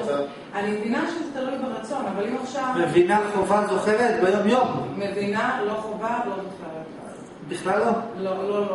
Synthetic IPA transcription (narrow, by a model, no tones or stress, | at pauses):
animdinaʃemist̪alelbeʁat͡so̞navalimaχʃavmevinaleχovazoχeʁet̪̚bejomjommevinalo̞χovalomitχaʁeta | biχlalːololo